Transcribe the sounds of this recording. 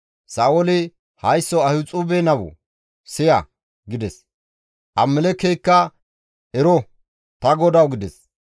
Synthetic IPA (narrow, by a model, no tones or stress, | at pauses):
saːwɔlɪ | hɐjsːɔɐhʊt͡sʼuːbenɐwɔ̰ | sɪjɐ | ɡɪd̪ɛs | ʔɐmːɛlɛkːejkːɐ | ʔɛɾɔ | t̪ɐɡɔd̪ɐwɡɪd̪ɛs